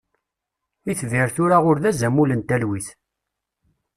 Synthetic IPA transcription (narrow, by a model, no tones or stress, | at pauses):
iθviɾθʊɾaʁʊɾðæzæmulənt̪ælwiθ